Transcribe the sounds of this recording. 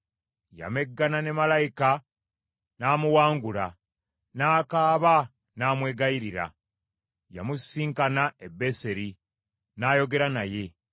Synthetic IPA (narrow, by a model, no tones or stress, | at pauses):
ja̰me̞ɡːanane̞malajika | naːmuwaːŋɡula | naːkaːβa | naːmwe̞ːɡaiɾiɾa̰ | ja̰musiːŋkanaebːe̞se̞ɾi | naːjo̞ɡe̞ɾanaje̞